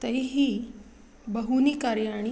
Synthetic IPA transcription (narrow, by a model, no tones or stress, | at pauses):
t̪ejɦi | bəɦunikaɾjaɽ̃i